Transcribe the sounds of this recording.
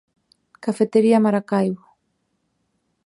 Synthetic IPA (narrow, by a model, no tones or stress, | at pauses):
kafet̪eɾiamaɾakajɣo